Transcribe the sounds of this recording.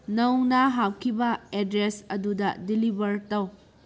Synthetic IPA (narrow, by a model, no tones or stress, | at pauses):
nɐwnaɦawkʰibɐedɾesɐdudɐdilibɐɾtɐw